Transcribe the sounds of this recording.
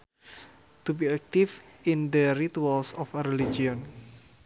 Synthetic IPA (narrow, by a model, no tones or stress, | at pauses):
t̪ubiak̚t̪ifind̪əɾit̪ualsɔfəɾelid͡ʒiɔn